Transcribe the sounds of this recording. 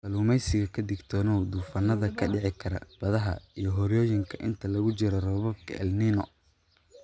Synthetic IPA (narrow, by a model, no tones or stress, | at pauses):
bɐluːmɛjsɪɣɐkʰɐd̪ɪɡt̪ʰɔːnɔwd̪uːfɐnɐðɐkʰɐɖɪʕɪkʰɐɾɐ̰b̥ɐðɐɦɐ̰ijɞɦɔɾjɔːjɪŋkʰɐʔɪnt̪ʰɐlɐɣʊt͡ʃɪɾɐrɔːβɔb̚kʰɐ̰ʔɛ̰lninɔ̰